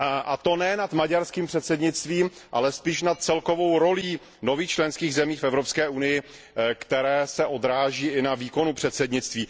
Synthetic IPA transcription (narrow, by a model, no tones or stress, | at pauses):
ʔat̪onɛnat̪maɟaɾskiːmpr̥ɛt̪sɛdɲɪt͡st̪viːmʔalɛspiːʃnat̪̚t͡sɛlko̞vo̞wɾo̞liː | no̞viːxt͡ʃlɛnskiːɣzɛmiːxfɛvɾopskɛːʔunɪjɪ | kt̪ɛɾɛːsɛʔo̞d̪ɾaːʒiːʔɪnaviːko̞nupr̝̥ɛt̪sɛdɲɪt͡st̪viː